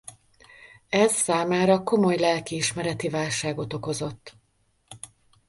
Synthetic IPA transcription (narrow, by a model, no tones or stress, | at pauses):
ɛzsaːmaːɾɒko̞mo̞jlɛlkiiʃmɛɾɛt̪ivaːlʃaːɡo̞t̪o̞ko̞zo̞t̪ː